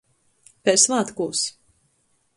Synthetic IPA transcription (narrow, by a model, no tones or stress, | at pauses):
pʲɛsvaːt̪kuːs